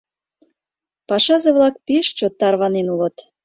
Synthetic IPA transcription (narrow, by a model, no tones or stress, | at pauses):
pɑʃɑzeβlɑk̚peʃt͡ɕot̪ːɑrβɑnenulə̆t̪